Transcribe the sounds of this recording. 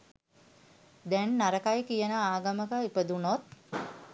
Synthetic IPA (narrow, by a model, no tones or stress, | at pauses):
d̪ɛnːaɾəkajkijənəaːɡəməkəipəd̪unot̪̚